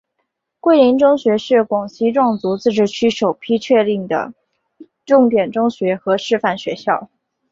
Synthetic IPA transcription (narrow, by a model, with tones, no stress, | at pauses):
kwe˥˩ɪli˧˥ŋʈ͡ʂʊ˥ŋɕɥɛ˧˥ʂɻ̩˥˩kwɑ˨˩ŋɕʰi˧˥ʈ͡ʂwɑ˥˩ŋt͡su˧˥t͡sɹ̩˥˩ʈ͡ʂɻ̩˥˩t͡ɕʰy˥ʂo˨˩ʊpʰi˥t͡ɕʰɥɛ˥˧li˥˩ŋd̪ə̰˩ | ʈ͡ʂʊ˥˩ŋt̪jɛ˨˩nʈ͡ʂʊ˥ŋɕɥɛ˧˥xɤ˧˥ʂɻ̩˥˧fa˥˩nɕɥɛ˧˥ɕjɑ˥˩ʊ